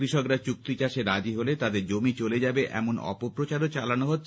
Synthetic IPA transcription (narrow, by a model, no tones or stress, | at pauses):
ɾiʃɔkɾat͡ɕuk̚t̪it͡ɕaʃeɾad͡ʑiɦolet̪ad̪eɾd͡ʑomit͡ɕoled͡ʑabeʔʔɛ̰monɔ̰popɾot͡ɕaɾot͡ɕalanoɦot̪ː